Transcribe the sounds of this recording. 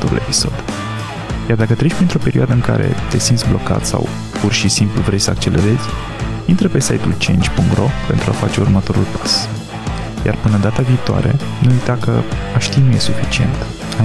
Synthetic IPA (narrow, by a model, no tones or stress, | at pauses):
t̪oɾṵlepi̥so̞d̪̥ | jard̪akət̪ɾe̞ʃʲpɾint̪ɾo̞pe̞ɾioad̪əɨŋka̰ɾe̞̰t̪e̞sint̪sʲblo̞ka̰t̪sa̰w | purʃisimpluvɾe̞jsəak̚t͡ʃe̞le̞̰ɾe̞zʲ | int̪ɾəpe̞sajt̪ult͡ʃent͡ʃʲpuŋkt̪rʔo̞pe̞nt̪ɾuafat͡ʃe̞urmət̪o̞ɾṵlpḁs | ja̰rpɨnəd̪at̪aviːt̪oa̰ɾe̞̰ | nuujt̪akəaʃt̪inuje̞sufit͡ʃie̞̰nt̪ | a